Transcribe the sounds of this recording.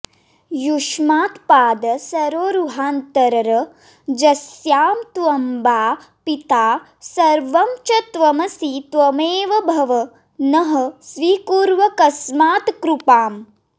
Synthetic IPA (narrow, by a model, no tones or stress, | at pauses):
juʂmaːt̪paːd̪ɐsɐɾoːɾuɦaːnt̪ɐɾɐɾɐ | d͡ʒɐsjaːmt̪ʋɐmbaː | pit̪aː | sɐɾʋɐmt͡ʃɐt̪ʋɐmɐsit̪ʋɐmeːʋɐbʱɐʋɐ | nɐɦɐsʋiːkuːɾʋɐkɐsmaːt̪kɾupaːm